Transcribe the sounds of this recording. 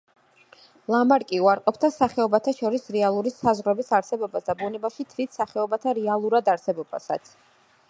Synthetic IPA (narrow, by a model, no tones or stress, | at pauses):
lˠamaɾkʼiuaɾqʼɔp̚ʰt̪ʰasaχɛɔbat̪ʰaʃɔɾisɾɛalˠuɾisazʁɾɔbisaɾsɛbɔbasd̪abunɛbaʃit̪ʰvit̪ʰsaχɛɔbat̪ʰaɾɛalˠuɾad̪aɾsɛbɔba̰sa̰t̪sʰ